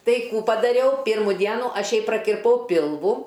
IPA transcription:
ˈtɐɪ ˈkuː pɐdɐˈrʲɛʊ ˈpʲɪrmʊ ˈdʲiɛnʊ ˈɐʃ ˈjɛɪ prɐkʲɪrˈpɐʊ ˈpʲɪlˠʋʊ

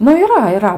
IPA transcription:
nʊ iːˈrɐ iːˈrɐ

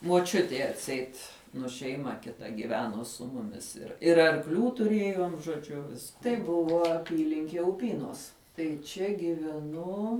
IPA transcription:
muɔˈt͡ʃʲʊtʲɛɪ ɐtʲˈsʲɛɪt nʊ ʃʲɛɪˈmɐ kʲɪˈtɐ ɡʲiːˈʋʲæːnoː sʊ ˈmʊmʲɪs ɪr ɪr ɐrkˈlʲuː tʊˈrʲeːjoːm ʒoːˈd͡ʒʲʊ ʋʲɪs tɐɪ ˈbʊʋoː ɐˈpʲiːlʲɪŋʲkʲiɛ ʊˈpʲiːnoːs tɐɪ ˈt͡ʃʲɛ ɡʲɪʋʲɛˈnʊ

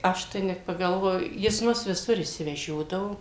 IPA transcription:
ˈɐʃ tɐɪ nʲɛt pɐɡɐlˠˈʋoːjʊ jɪs ˈmʊs ʋʲɪˈsʊr ɪʃʲsʲɪʋʲɛˈʒʲoːdɐʋoː

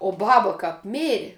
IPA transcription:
oː ˈbɑːbɐ ˈkɐp ˈmʲeːrʲɪ

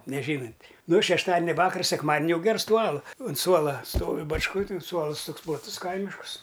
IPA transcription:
nʲɛˈʒʲiːnʊnʲtʲ ˈnʊ ʃʲɛʃˈtɑːdʲɪnʲɛ ˈʋɑːkɐrs sʲɛkˈmɑːdʲnʲɪ ˈjɛʊ ˈɡʲɛrs ˈtuː ˈɑːlˠʊ ʊn ˈsuɔlˠɐ ˈstoːʋʲɪ bɐt͡ʃˈkoːj tʲɪn ˈsuɔlˠɨs ˈtoːks plˠɐˈtʊs ˈkɐɪmʲɪʃkʊs

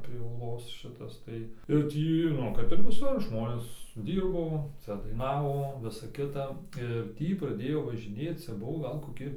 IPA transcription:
pʲrʲiɛ uːˈlˠoːs ˈʃʲɪtɐs tɐɪ ɪr ˈtʲiː ˈnʊ kɐp ɪr ʋʲɪˈsʊr ˈʒmoːnʲeːs ˈdʲiːrboː ˈt͡sʲɛ dɐɪˈnɑːʋoː ˈʋʲɪsɐ ˈkʲɪtɐ ɪr ˈtʲiː prɐˈdʲeːjoː ʋɐʒʲɪˈnʲeːt͡s ˈt͡sʲɛ ˈbʊʋoː ˈɡɐlˠ koːˈkʲɪ

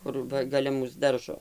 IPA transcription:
ˈkʊr ˈʋɐ ɡɐˈlʲɛ ˈmuːs ˈdɐrʒoː

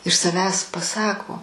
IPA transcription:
ɪʃ sɐˈʋʲæːs pɐˈsɑːkoː

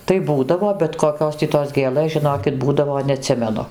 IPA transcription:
tɐɪ ˈbuːdɐʋoː bʲɛt koːˈkʲoːs tʲiː toːs ˈɡʲeːlˠɘs ʒʲɪˈnoːkʲɪt ˈbuːdɐʋoː nʲɛɐˈtʲsʲɪmʲɛnʊ

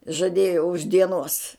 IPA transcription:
ʒɐˈdʲeːjoː ʊʃ dʲiɛˈnuɔs

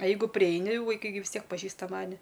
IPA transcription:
ɐ ˈjɛɪɡʊ pʲrʲɪˈɛɪnʲɪ ʋɐɪˈkɐɪ ɡʲɪ ʋʲɪs ˈtʲiɛk pɐˈʒʲiːstɐ ˈmɑːnʲɪ

